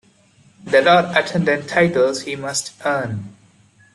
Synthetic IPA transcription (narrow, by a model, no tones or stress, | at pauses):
d̪əlɔːɖəʈʰɛ̃ndɨ̃ntʰaɪʈəlzhiːmʌstʔəːn